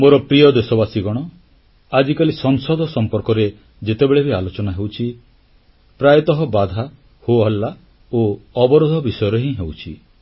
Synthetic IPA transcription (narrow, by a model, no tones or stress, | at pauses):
moɾɔpɾijɔd̪esɔbasiɡɔɽ̃ɔ | ad͡ʒikalisɔŋsɔd̪ʱɔsɔmpɔɾkɔɾe | d͡ʒet̪ebeɭebʱialot͡ʃɔnaɦewt͡ʃʰi | pɾajɔt̪ɔɦɔbad̪ʱa | hoɦɔlːa | oɔbɔɾod̪ʱɔbisɔjɔɾeɦĩɦewt͡ʃʰḭ